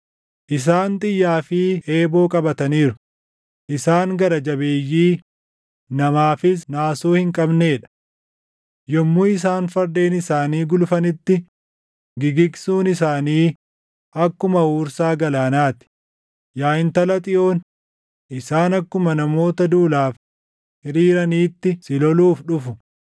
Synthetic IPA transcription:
ʔɪs̬aːnt̪ʼɪjːaːfɪe̞ːbo̞ːkʼɐbɐt̪ɐniːɾʊ̥ | ʔɪsaːŋɡɐɾɐd͡ʒɐbeːjːiː | nɐmaːfɪs̬naːsuːhɪŋkʼɐbne̞ːᶑɐ̥ | jɔmːuɪs̬aːnfɐɾd̪e̞ːnɪsaːniːɡʊlfɐnɪt̪ːɪ | ɡɪɡɪksuːnɪsaːniː | ʔɐkːʊmɐhuːɾsaːɡɐlaːnaːt̪ɪ̥ | jaːɪnt̪ɐlɐt̪ʼɪʔo̞ːn | ʔɪsaːnɐkːʊmɐnɐmo̞ːt̪ɐd̪uːlaːf | hɪɾiːɾɐniːt̪ːɪsɪlɔluːfᶑʊfʊ̥

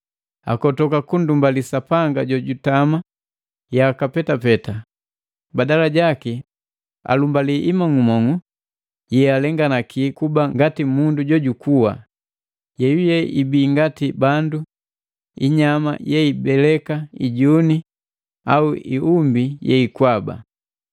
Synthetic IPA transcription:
a̰kɔtɔkakundumbalisapaŋɡaɟɔɟutama | jakapɛtapɛta | badalaɟaki | a̰lumbaliʔimaŋumɔŋu | jɛalɛŋɡanakʰikubaŋɡatimunduɟɔɟukuwa̰ | jɛjujɛʔibiːŋɡatibandu | iɲama̰jɛibɛlɛkaiɟuni | a̰uḭumbijɛ̰ikwaba̰

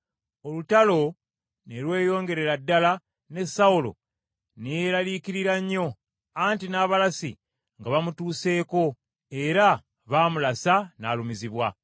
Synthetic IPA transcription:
o̞lutalo̞ | nelwe̞ːjo̞ːŋɡe̞ɾe̞ɾadːala | ne̞saulo̞̰ | nejeɾaliːkiɾiɾaɲːo̞ | aːntinaːβalasḭ | ŋɡaβamutuːse̞ːko̞ | e̞ɾa | βaːmulasana̰ːlumiziβwa

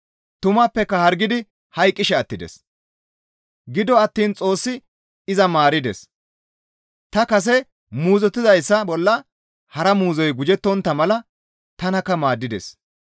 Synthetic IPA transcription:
t̪ʊmapːɛkːɐhɐɾɡɪd̪ɪ | hɐjkʼːɪʃɛɐt̪ːɪd̪ɛ̰s | ɡɪd̪ɔɐt̪ːiːnt͡sʼo̞ːsːɪ | ɪzɐmaːɾɪd̪ɛ̰s | t̪ɐkɐs̬ɛ | muːzɔt̪ːɪzɐjsːɐbɔlːɐ | hɐɾɐmuːzɔjɡʊd͡ʒɛt̪ːɔnt̪ːɐmɐlɐ | t̪ɐnɐkːɐmaːd̪ːɪd̪ɛ̰s

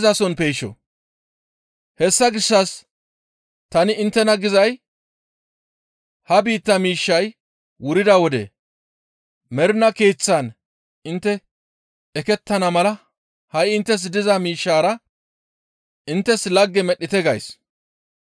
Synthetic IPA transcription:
zɐsɔnpeːʃɔ̰ | hɛsːɐɡɪʃːɐs | t̪ɐnɪɪnt̪ːɛnɐɡɪzɐj | hɐbiːt̪ːɐmiːʃːɐj | wʊɾɪd̪ɐwɔd̪ɛ̰ | mɛɾnɐkeːt͡sːɐn | ɪnt̪ːɛ | ɛkɛt̪ːɐnɐmɐlɐ | hɐjɪnt̪ːɛs̬d̪ɪzɐmiːʃːaːɾɐ | ɪnt̪ːɛslɐɡːɛmɛɗːɪt̪ɛɡɐjs

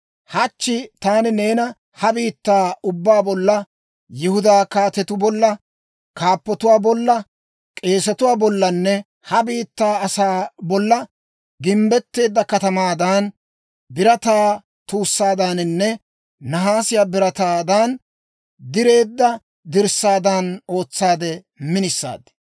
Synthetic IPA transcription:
hɐt͡ʃːɪt̪aːnɪne̞ːnɐ | hɐbiːt̪ːaːʊbːaːbɔlːɐ | jɪhʊd̪aːkaːt̪ɛt̪ʊbɔlːɐ | kaːpːɔt̪ʊwaːbɔlːɐ | kʼe̞ːsɐt̪ʊwaːbɔlːɐnːɛ | hɐbiːt̪ːaːɐsaːbɔlːɐ | ɡɪmbɛt̪ːe̞ːd̪ːɐkɐt̪ɐmaːd̪ɐn | bɪɾɐt̪aː | t̪uːsːaːd̪anɪnːɛ | nɐɦaːsɪjaːbɪɾɐt̪aːd̪an | d̪ɪɾe̞ːd̪ːɐ | d̪ɪɾsaːd̪ɐno̞ːt͡sːaːd̪ɛ | mɪnɪsːa̰ːd̪ɛ̥

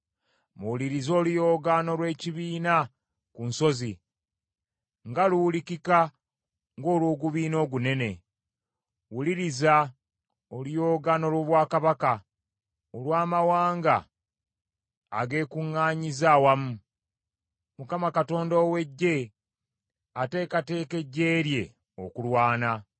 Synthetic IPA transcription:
muwuliɾizo̞ːlijo̞ːɡano̞lwe̞ːciβiːna | kunso̞zi | ŋɡaluwulicika | ŋɡo̞ːlwoːɡuβiːno̞ːɡune̞ne̞ | wuliɾiza | olijo̞ːɡano̞lwo̞ːβwaːkaβaka | olwaːmawaːŋɡa | ɡe̞ːkuŋːaːɲizawamu | mukamakato̞ːndoːwe̞ɟːe̞ | ate̞ːkate̞ːke̞ɟːe̞ːɾje̞ | okulwaːna

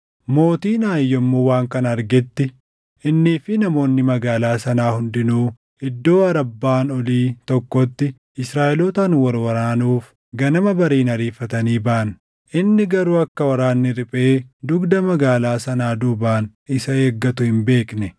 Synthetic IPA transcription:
mo̞ːt̪iːnaːjːɔmːowaːŋkɐnɐɾɡɛt̪ːɪ | ʔɪnːiːfɪnɐmo̞ːnːɪmɐɡaːlaːsɐnaːhʊnd̪ɪnuː | ɪd̪ːo̞ːɐɾɐbːaːnɔliːt̪ɔkːɔt̪ːɪ | ɪsɾaːʔɪlɔt̪ɐnwɐɾwɐɾaːnuːf | ɡɐnɐmɐbɐɾiːnɐɾiːfːɐt̪ɐniːbaːʔn | ʔɪnːɪɡɐɾuːɐkːɐwɐɾaːnːɪɾɪpʼe̞ːd̪ʊɡd̪ɐmɐɡaːlaːsɐnaːd̪ʊbaːn | ɪsɐeːɡːɐt̪ʊhɪmbe̞ːknɛ

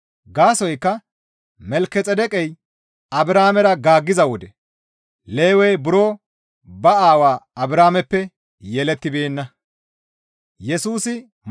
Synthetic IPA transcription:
ɡaːsɔjkːɐ | mɛlkːɛt͡sʼɛd̪ɛkʼɛj | ɐbɪɾaːmɛɾɐɡaːɡːɪzɐwɔd̪ɛ | le̞ːwɛjbʊɾoː | bɐaːwaːɐbɪɾaːmɛpːɛ | jɛlɛt̪ːɪbe̞ːnːɐ | jɛsuːsɪ

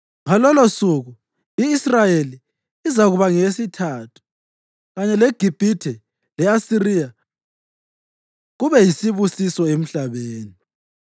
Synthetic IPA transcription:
ŋalɔlosuɣu | iːsrajeliː | zaɣuβaŋesitʰaːtʰu̥ | ɣaɲɛleɡ̥ʱib̥ʱitʰɛ | lɛasirija | ɣuβɛjisiβusisɔem̩ɬaβeːni

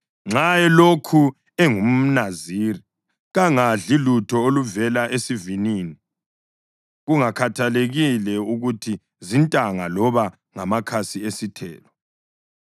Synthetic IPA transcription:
ŋ͡ǁajɛlokʰu | ɛŋum̩naziɾi | ɣaŋaɮilutʰɔoluvɛlaʔesiviniːni | ɣuŋakʰatʰaleɣilɛuɣutʰi | zintʼaŋalɔβa | ŋamakʰasiesitʰɛ̰ːlɔ

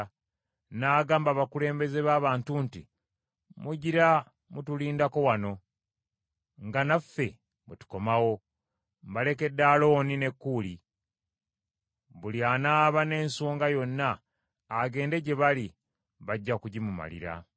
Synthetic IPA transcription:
naːɡaːmbaβakule̞ːmbe̞ze̞βaːβaːntunti | muɟiɾa | mutuliːndako̞wano̞ | ŋɡanafːe̞ | mutu̥ko̞mawo̞ | mbale̞ke̞dːaːlo̞ːnine̞kːuːli | βulianaːβane̞ːnsoːŋɡajo̞nːaː | ɡe̞ːnde̞ɟe̞βali | βaɟːakuɟimuma̰lḭɾa̰

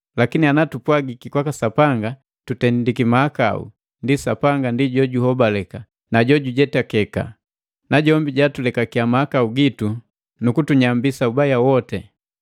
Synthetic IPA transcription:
lakinianatupwaɡikikwakasapaŋɡa | tutɛndikimaaka̰ṵ | ndisapaŋɡandiɟɔɟuhɔbalɛka | naɟɔɟuɟɛtakɛka̰ | naɟɔmbiɟatulɛkakiamahakauɡitu | nukutuɲambisaubajawɔtɛ

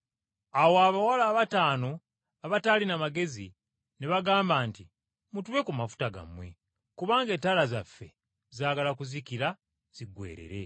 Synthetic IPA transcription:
awoaβawalaːβataːno̞ | aβataːlinamaɡe̞zi | neβaɡaːmbaːnti | mutuβe̞kumafu̥taɡa̰mwe̞̰ | kuβaːŋɡeːtːalazafːe̞̰ | zaːɡalakuzikiɾa | z̥iɡwe̞̰ːɾḛɾe̞̰

